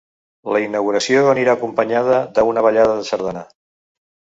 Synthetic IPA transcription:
ləinəwɣuɾəsioəniɾaːkumpəɲaðəðəunəβəʎaðəðəsəɾðəna

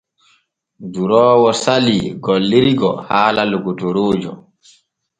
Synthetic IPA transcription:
duɾɔːwɔsaliɡɔlːiɾiɡɔ̰haːlaluɡutoɾoːd͡ʒɔ̰

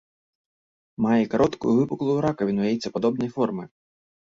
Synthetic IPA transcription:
majɛkaɾɔt̪kʊjuvɨpuklˠujuɾakɐvʲinvajɛt̪ʲt͡sʲːɐpad̪ɔbnɐjfɔrmɨj

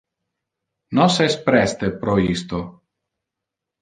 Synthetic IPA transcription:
nɔsɛspɾɛst̪ɛpɾɔist̪o

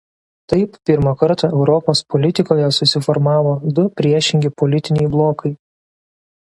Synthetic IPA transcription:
t̪ɐɪpːʲɪɾmɐkɐɾt̪ɑɛʊɾɔpoːspɔlʲɪt̪ʲɪkoːjɛsʊsʲɪfɔɾmɑːʋoːd̪ʊpʲɾʲiɛʃʲɪŋʲɡʲɪpɔlʲɪt̪ʲɪnʲɛɪblˠoːkɐɪ

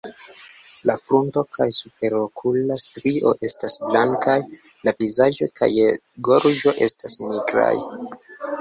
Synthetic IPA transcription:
lafɾunto̞kʰajsup̚e̞ɾokʰulastɾiʔo̞̰ʔe̞stasblaŋkaj | lavizaʒo̞kʰa̰j | ɡo̞ɾʒo̞ʔe̞stasniɡɾa̰j

